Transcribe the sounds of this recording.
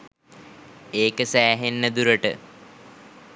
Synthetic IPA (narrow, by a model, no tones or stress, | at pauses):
eːkəsæːɦenːəd̪uɾəʈə̰